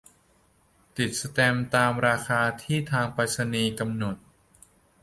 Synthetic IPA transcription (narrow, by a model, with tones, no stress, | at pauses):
t̪i˨˩t̪̚sa˧t̪ɛ˧mt̪aː˧mɾaː˧kʰaː˧t̪ʰiː˥˩t̪ʰaː˧ŋpaː˧˩t̪̚sa˧niː˧ka˧mno˨˩t̪̚